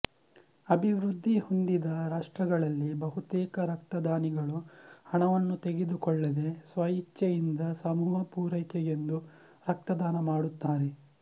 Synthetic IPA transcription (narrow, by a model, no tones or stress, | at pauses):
ɐbʱiʋɾud̪ʱːihond̪id̪ɐɾaːʂʈɾɐɡɐɭɐlːibɐɦut̪ɛːkɐɾɐk̚t̪ɐd̪aːniɡɐɭuhɐɳɐʋɐnːut̪eɡed̪ukɔɭːɐd̪e̞sʋɐjit͡ʃjɐjind̪ɐsɐmuːɦɐpuːɾɐjkɛɡe̞nd̪u | ɾɐk̚t̪ɐd̪aːnɐmaːɽut̪ːaːɾe